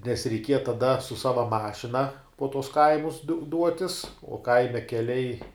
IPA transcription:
nʲɛs rʲɛɪˈkʲiɛjɛ tɐˈdɐ sʊ ˈsɑːʋɐ ˈmɑːʃʲɪnɐ poː tuɔs ˈkɐɪmʊs dʊ ˈduɔtʲɪs oː ˈkɐɪmʲɛ kʲɛˈlʲɛɪ

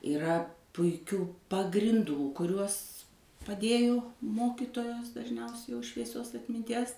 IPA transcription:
ɪˈrɐ pʊɪˈkʲuː pɐɡrʲɪnˈduː kʊˈrʲuɔs pɐˈdʲeːjoː ˈmoːkʲɪtoːjoːs dɐʒʲˈnʲɛʊsʲɛɪ jɛʊ ʃʲʋʲiɛˈsʲoːs ɐtʲmʲɪnʲˈtʲiɛs

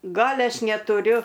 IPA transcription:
ˈɡɐlʲ ˈɐʃ nʲɛtʊˈrʲʊ

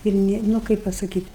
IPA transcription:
ɪr ˈnʲɪ nʊ ˈkɐɪp pɐsɐˈkʲiːtʲ

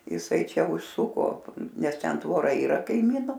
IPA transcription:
jɪˈsɐɪ ˈt͡ʃʲɛ ʊʃˈsʊkoː ˈnʲɛs ˈtʲɛn tʋoːˈrɐ iːˈrɐ kɐɪˈmʲiːnʊ

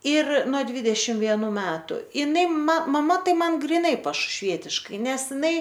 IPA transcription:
ɪr noː ˈdʲʋʲiːdʲɛʃʲɪmt ʋʲiɛˈnuː ˈmʲæːtʊ ɪˈnɐɪ mɐ mɐˈmɐ ˈtɐɪ ˈmɐn ɡrʲɪˈnɐɪ pɐʃʊʃʲˈʋʲiɛtʲɪʃkɐɪ ˈnʲɛs ˈɪnɐɪ

